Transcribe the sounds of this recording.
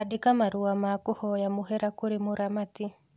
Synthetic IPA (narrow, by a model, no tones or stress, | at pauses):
adekamaɾuamakohɔjamoɦɛɾakoɾemoɾamati